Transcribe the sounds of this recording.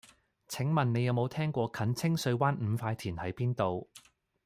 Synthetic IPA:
t͡sʰɪ˨˥ŋmɐ˨nne˨˧jɐ˨˧wmo˨˧wt̪ʰɛː˥ŋkʷɔː˧kʰɐ˨˥nt͡sʰɪ˥ŋsɵ˧ɥwaː˥nm̩˨˧faː˧jt̪ʰiː˨˩nhɐ˨˥jpiː˥nt̪o˨w

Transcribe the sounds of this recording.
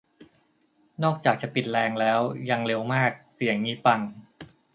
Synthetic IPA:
nɔː˥˩k̚t͡ɕaː˨˩k̚t͡ɕa˨˩pi˨˩t̪̚lɛː˧ŋlɛː˦˥wja˧ŋle˧wmaː˥˩k̚si˨˩˦əŋːiː˦˥pa˧n

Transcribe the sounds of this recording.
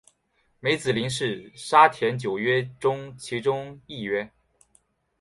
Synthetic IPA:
me˧˥ɪt͡sɹ̩˨˩li˧˥ŋʂɻ̩˥˩ʂa˥t̪ʰjɛ˧˥nt͡ɕjo˨˩ʊɥɛ˥ʈ͡ʂʊ˥ŋt͡ɕʰi˧˥ʈ͡ʂʊ˥ŋi˥˩ɥɛ˥

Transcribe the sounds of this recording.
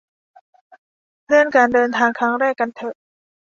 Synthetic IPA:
lɯ˧˥˩ənkaː˧ndɤː˧nt̪ʰaː˧ŋkʰɾa˦˥ŋɾɛː˥˩kːa˧nt̪ʰɤ˧˩ʔ

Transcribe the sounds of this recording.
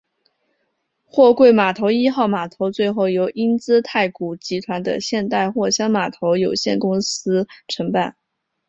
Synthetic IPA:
xwɔ˥˧kwe˥˩ɪma˨˩t̪ʰo˧˥ʊi˥xɑ˥˩ʊma˨˩t̪ʰo˧˥ʊt͡swe˥˧ɪxo˥˩ʊjo˧˥ʊʔi˥nt͡sɹ̩˥t̪ʰa˥˩ɪku˨˩t͡ɕi˧˥t̪ʰwa˧˥nd̪ə̰˧ɕjɛ˥˧nt̪a˥˧ɪxwɔ˥˩ɕjɑ˥ŋma˨˩t̪ʰo˧˥ʊjo˨˩ʊɕjɛ˥˩nkʊ˥ŋsɹ̩˥ʈ͡ʂʰɤ˧˥ŋpa˥˩n

